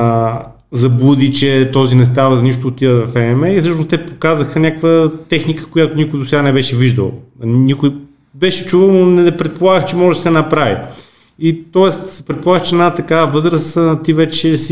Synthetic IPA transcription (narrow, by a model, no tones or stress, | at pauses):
zɐbud̪it͡ʃɛt̪ɔzinɛs̬t̪avɐzɐniʃt̪oːt̪ivəvɐfɛɛmɛisɤʃnost̪ɛpokazəxənʲakvət̪ɛxnikə̥kojat̪onikoʊjd̪osɛɡanɛbɛʃɛviʒd̪əlˠnikoj | bɛʃɛ̥t͡ʃuvəlˠnonɛɛpɾɛt̪̚polˠaɡəxt͡ʃɛmɔʒɛd̪ɐsɛnɐpɾavḭ | it̪ɔɛst̪sɛ̥pɾɛt̪̚polˠaɡəxt͡ʃɛnat̪ɐkavəvɤzɾəst̪ivɛt͡ʃɛsi